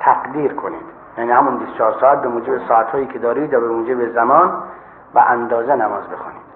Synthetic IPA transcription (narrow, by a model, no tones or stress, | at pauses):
t̪ʰæqd̪iːɾkʰonḭːm | jæːniːhæmunbist̪ot͡ʃʰɒːɾsɔːæt̪̚bemuːd͡ʒebesɔːæt̪hɒːjiːkʰed̪ɒːɾiːd̪ɾɒːbemuːd͡ʒebezæmɒːn | bæʔænd̪ɒːzenæmɒːzbexṵniːd̥